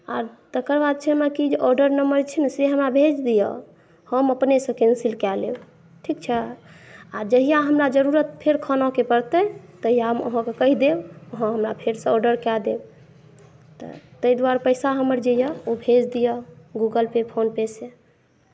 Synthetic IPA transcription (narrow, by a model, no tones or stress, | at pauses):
a̰ɾt̪əkəɾbad̪̚t͡ʃʰɛmakid͡ʒʔɔɖəɾnəməɾt͡ʃʰɛnseɦəmɾabʱed͡ʒd̪ijɔ̰ | həməpnesə̃kɛnsilkɛlḛ | ʈʰikt͡ʃʰɛ | ad͡ʒəɦijaɦəmɾad͡ʒəɾuɾət̪̚pʰeɾkʰənɔkepəɾt̪ət̪əɦijaɦmə̰ɦə̃kekəɦid̪eəɦə̃ɦəmɾapʰeɾsə̃ɔɖəɾkɛd̪e | t̪ɔ̰t̪əid̪uaɾpəɪsaɦəməɾd͡ʒəjəobʱed͡ʒd̪ijɔɡuɡəlpepʰonpese